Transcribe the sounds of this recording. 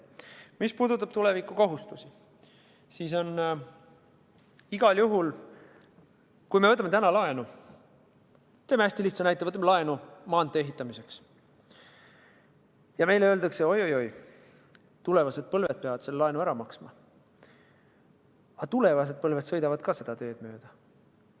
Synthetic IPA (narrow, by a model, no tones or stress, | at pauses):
mispuːd̪ut̪ːˑɑb̥t̪ule̞vikːˑuko̞ɦust̪usi | siːs̬o̞n | iɡ̥ɑljuɦul | kujme̞ɤt̪ːˑɑmet̪ænɑlɑe̞nu | t̪emæsʲt̪iliht̪sɑnæjt̪ːˑevɤt̪ːɑmlɑenumɑːnd̪ˑee̞ɦit̪ːˑɑmise̞ks | jɑme̞jleøld̪̥ɑkseo̞jojo̞j | t̪ule̞vɑse̞d̪̥̚pɤlve̞d̪̥̚pe̞ɑvɑd̪se̞lːelɑenuæɾɑmɑksmɑ | ɑt̪ule̞vɑs̬e̞d̪̚pɤlve̞d̪sɤ̞jd̪ɑvɑd̪̥kɑse̞d̪̥ɑt̪e̞ːd̪̥møːd̪̥ɑ